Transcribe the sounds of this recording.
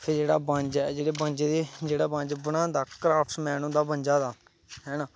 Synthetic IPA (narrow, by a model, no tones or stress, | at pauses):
pʰɪɾd͡ʒeːɽaːbə̃ɲd͡ʒɛːd͡ʒeːɽeːbə̃ɲd͡ʒed̪eːd͡ʒeːɽaːbãnd͡ʒbənãːd̪aːkɾaːpʰʈmɛːnõːd̪aːbənd͡ʒaːd̪aː | ɦɛːnaː